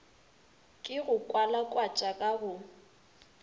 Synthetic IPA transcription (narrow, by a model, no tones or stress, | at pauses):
kʼɪɣʊkʼwalakʼwat͡ʃʼakʼaɣʊ